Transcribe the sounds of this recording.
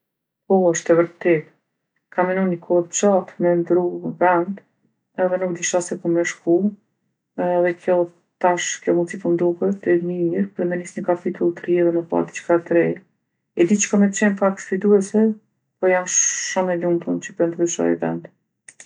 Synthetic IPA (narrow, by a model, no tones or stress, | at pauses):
kɔəʃt̪ɛvəɾt̪ɛt̪ | kʰamɛnunəkʰɔt͡ʃat̪mɛnd̪ɾuvɛnd̪ | ɛðɛnuk̚d̪iʃasɛkumɛʃku | ðɛkjɔ | t̪aʃkjɔmunt͡sifɔnd̪ukət̪ɛmiɾpɾɛmɛnisɲəkapit̪ʰulˠt̪ɾiɛðɛmɛpa̰ɾd̪it͡ʃkat̪ɾɛ | ɛd̪it͡ʃkamɛt̪t͡ɕɛnfakt̪fit̪uɛsɛ | pɔjamʃɔmɛlump̪ənt͡ɕəpɾɛnd̪ɾyʃɔ̰j̰vɛ̰nd̪